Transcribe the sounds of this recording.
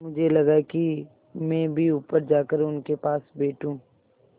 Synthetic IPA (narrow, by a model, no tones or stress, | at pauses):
mʊd͡ʒʱelɐɡaki | mɛ̃ːbʱiuːpəɾd͡ʒaːkəɾʊnkepaːsbeːʈũː